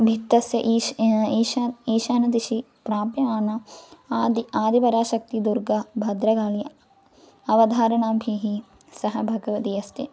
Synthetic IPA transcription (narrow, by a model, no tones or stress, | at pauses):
bʱit̪ːɐsjɐʔiiːʃiːʃaːnɐd̪iʃi | pɾaːpjɐaːnɐ | d̪iaːd̪ibɐɾaːʃɐk̚t̪id̪uɾɡɐbʱɐd̪ɾɐɡaːlijɐ | ɐʋɐd̪ʱaːɾɐɳaːbʱiɦi | sɐɦɐbʱɐɡɐʋɐt̪iɐst̪i